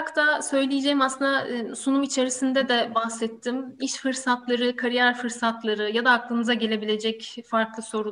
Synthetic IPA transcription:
kt̪ʰasø̞jlʲijed͡ʒejimaslɯnd̪asunumit͡ʃʰe̞ɾisind̪ɛd̪ɛbahsɛt̪ʰːimiʃfɯɾsat̪lˠaɾɯkʰaɾijæɾfɯɾsat̪lˠaɾɯjad̪aːklˠɯmɯzaɟe̞lʲe̞bilʲed͡ʒɛcfaɾklˠɯso̞ɾu

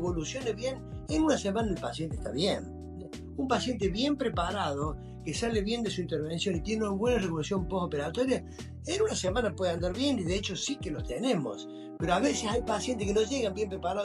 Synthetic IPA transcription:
βolusjo̞neβjenenunɐsemãnaelpasjent̪e̥ht̪a̰βjen | umpasjent̪̬eβjempɾepaɾaðo | kesaleβje̞nd̪esuint̪eɾβensjo̞nit̪jeneunaβwe̞nareβo̞lusjo̞mposopeɾat̪oɾja | enunɐsemanapweðeãnd̪aɾβjeniðeet͡ʃosikelot̪enemo̰s | peɾoaβesesajpasjent̪ekenoʒeɣambjempɾepaɾað

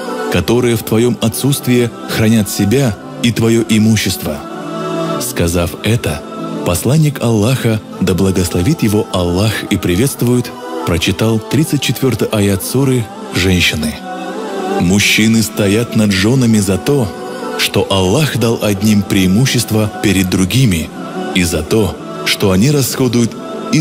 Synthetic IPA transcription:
kɐt̪o̞ɾɨjəft̪vɐjo̞mɐt̪sut̪st̪vʲɪjɪ | xɾɐnʲat̪sʲɪbʲa | it̪vɐjo̞ʔɪmuɕːɪst̪və | skɐzafɛt̪ə | pɐslˠanʲːɪkɐlˠːaxə | d̪əblˠəɡəslˠɐvʲit̪jɪvo̞ʔɐlˠːaxipɾʲɪvʲe̞t̪st̪vʊjʊt̪ | pɾət͡ɕɪt̪alˠt̪ɾʲit̪sɨt̚ʲt͡ɕːɪt̪vʲo̞rt̪ɨjʔɐjat̪suɾɨ | ʐɛnʲɕːɪnɨ | mʊɕːinɨst̪ɐjat̪nɐd̪ʐo̞nəmʲɪzɐt̪o̞ | ʂt̪o̞ʔɐlˠːaxd̪alˠʔɐd̪ʲnʲimpɾʲɪːmuɕːɪst̪vəpʲɪɾʲɪd̪ːɾʊɡʲimʲɪ | izɐt̪o̞ | ʂt̪o̞ɐnʲiɾɐsxod̪ʊjʊt̪ | i

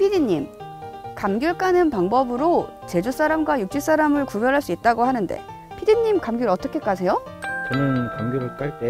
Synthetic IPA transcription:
pʰidiɲːimkamɡjuɭk͈anɯnpaŋbʌbɯɾo | t͡ɕe̞d͡ʑus͈aɾamɡwajuk̚t͡ɕ͈is͈aɾamɯɭkubjʌɾɦaɭs͈uit̚t͈aɡoɦhanɯnde̞̰ | pʰidiɲːimkamɡjuɾʌt͈ʌkʰe̞k͈as̬ʰe̞jo | t͡ɕʌnɯnkamɡjuɾɯɭk͈aɭt͈e

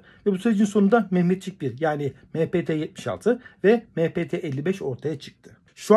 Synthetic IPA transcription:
vɛbusyɾed͡ʒinsonund̪amɛhmɛt̪t͡ʃʰic̚biɾjaːni | meːpeːt̪ʰɛjɛt̪̚mi̥ʃa̰lˠt̪ʰɯvɛmepʰeːt̪ʰɛːʔɛlʲːibɛʃo̞ɾt̪ʰajat͡ʃʰɯ̥k̚t̪ʰɯ | ʃu

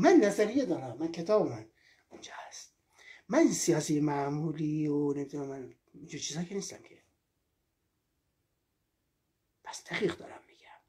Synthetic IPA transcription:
mænːæzæɾijed̪ɒːɾæmːænkʲʰe̞t̪ʰɒːbemæn | und͡ʒɒːhæst̪̚ | mæninsijɒːsiːjemæmuːlionemid̪unæmːæn | ind͡ʒuːɾt͡ʃʰiːzhɑːkʰeniːst̪æmkʲʰe | pʰæ̥sd̪̥æʁiːɣd̪ɒːɾæmːiɡ̥æm

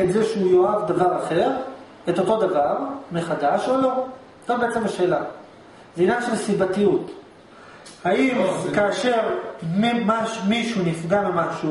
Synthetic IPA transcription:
etzeʃeujo̞avdavaʁaχe̞ʁ | e̞to̞to̞davaʁmeχadaʃolo̞ | zobeet͡semaʃe̞ːla | zinaʃe̞lsibatijut | haimkaːʃe̞ʁmmaʃmiʃunifɡamemaʃu

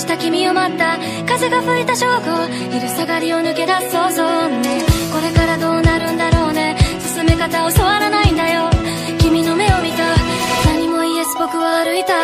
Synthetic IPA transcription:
i̥t̪akʲimʲio̞mat̪ːa | kaze̞ɡaɸɯ̟it̪aɕo̞ːɡo | iɾɯ̟saɡaɾʲio̞nɯ̟ke̞d̪aso̞ːzonne̞ko̞ɾe̞kaɾad̪o̞ːnaɾɯ̟̃nd̪aɾo̞ːne̞sɨ̥sɨme̞kat̪aoso̞βaɾanaĩnd̪ajo̞ | kʲimʲino̞me̞o̞mʲit̪a | naɲ̟imo̞iesɨ̥bo̞kɯ̟βaːɾɯ̟it̪a

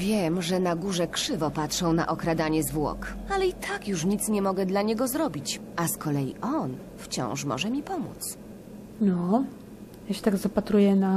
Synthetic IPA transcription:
vʲjɛmʐɛnaɡuʐɛkʂɘvɔpatʂɔ̃w̃na̰ʔɔkɾad̪aɲɛzvwɔ̰kalɛit̪ʰakjuʂɲit̪sɲɛmɔɡɛd̪laɲɛɡɔzɾɔbʲit͡ɕʔaskɔlɛjḭʔɔn | ft͡ɕɔ̰̃w̃ʂmɔ̰ʐɛmʲipɔmṵt̪s | nɔ | jaɕɛ̥t̪aɡzapat̪ɾujɛna

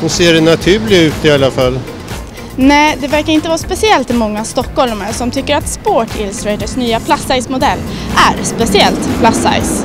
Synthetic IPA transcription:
hɵseːɖɛnat̪ʰʉ̟ːlɪʉ̟ːt̪ɪalːafalː | nɛːd̪ɛvæɾkaɾɪnt̪əvɑːspɛsɪɛlt̪ɪmɔŋːast̪ɔkːhɔlmsɔmt̪ʰʏkːəɾat̪spoːʈʰɪ̰lsɾɛd̪əʂnyːapʰlasːajsmʊd̪ɛlː | ʔæɾspɛsɪɛlt̪pʰlasːa̰ɪs

